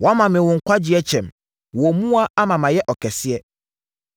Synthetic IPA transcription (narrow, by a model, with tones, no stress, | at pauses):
wɔ˨a˦mã˨mɪ̃˨wʊ̃˨ŋ̩˨kʷa˦d͡ʑɪ˦ɛ˦t͡ɕʰɛ̃˨m | wɔ˨mũ˦a˦a˦mã˨mã˨jɛ˦ʔɔ˨kʰɛ˨sɪ˦ɛ˦